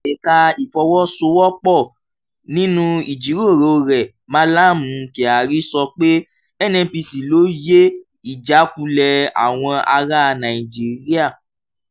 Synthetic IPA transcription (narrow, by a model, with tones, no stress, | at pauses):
ɛ˨ka˧i˨fɔ˧wɔ˦so˧˦wɔ˦k͡pɔ˦˨ | nĩ˦nũ˦i˨d͡ʒi˨˦ɾo˦˨ɾo˨˧ɾɛ˨ | mã˦la˦˨mũ˨˦ke˨a˨ɾi˦sɔ˧k͡pe˦ | ɛ˦˨nɛ̃˧pi˧si˨lo˨˦je˦ | i˦˨d͡ʒa˨˦kũ˧lɛ˧a̰˨w̃ɔ̃˧a˧ɾa˦˧nã˨i˨d͡ʒi˨˦ɾi˦a˦˨